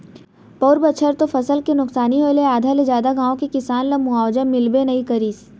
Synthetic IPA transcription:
pɔːɾbət͡ʃʰəɾt̪ofʰɐsəlkenʊksaːniɦoːeleaːd̪ʱaled͡ʒjaːd̪aɡãːõkekɪsaːnlɐmʊaːwd͡ʒəmɪlbenɐɦĩkɐɾiːs

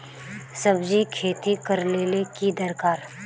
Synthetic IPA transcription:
sɐbd͡ʒikʰeːt̪ikɐɾleːlekid̪əɾkaːɾ

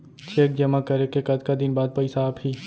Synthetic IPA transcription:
t͡ʃʰeːk̚d͡ʒɐmakɐɾekekɐd̪kad̪ɪnbaːd̪̚pɐɪsaːbhiː

